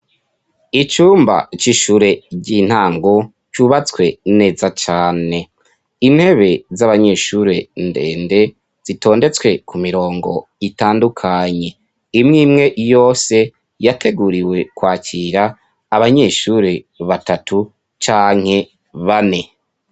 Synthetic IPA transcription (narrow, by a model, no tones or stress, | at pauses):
it͡ʃuːmba̰t͡ʃiʃuːɾe̞ɟin̥haːŋɡo | t͡ʃuːβat͡skwe̞ne̞ːzat͡ʃaːne̞ | inhe̞βe̞zaβaɲe̞ːʃuɾe̞ndeːnde̞ | z̥itʰo̞ːnde̞t͡swe̞kumiɾo̞ːŋɡo̞̰itaːndukʰaɲe̞ | imŋiːmŋe̞jo̞ːse̞ | jatʰe̞ɡuɾiwe̞kwaːciɾaː | βaɲe̞ːʃuɾe̞ | βatatʰu | t͡ʃaːŋ̥he̞ | βane̞